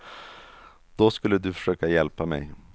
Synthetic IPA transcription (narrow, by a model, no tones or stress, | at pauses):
d̪̥ɔskɵlːəd̪ɵfœ̥ʂøːkajɛlpamɛ̰j